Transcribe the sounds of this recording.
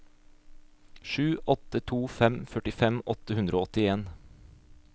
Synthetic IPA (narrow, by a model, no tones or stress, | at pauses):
ʃʉːʔɔt̪ət̪ʰuːfɛmfœʈɪfɛmʔɔt̪əhʉnd̪ɾʔoːɔt̪ɪeːn